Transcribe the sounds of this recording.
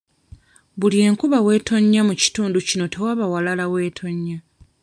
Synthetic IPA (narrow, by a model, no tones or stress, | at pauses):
βulje̞ːŋkuβawe̞ːtʰo̞ɲːamuci̥tuːnducino̞te̞waβawalalawe̞ːtʰo̞ɲːa